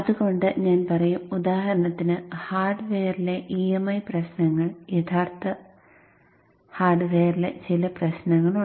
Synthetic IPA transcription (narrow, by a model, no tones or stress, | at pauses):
ɐðuɣo̞ɳɖɨɲaːnpɐrɐjumud̪aːɦɐɾɐɳɐt̪ːinɨhaːrɖʋeːrile̞ʔiemɐjprɐɕnɐŋːɐɭjet̪ʰaːrt̪ɐ | haːrɖʋeːrile̞̰t͡ɕilɐprɐɕnɐŋːɐɭu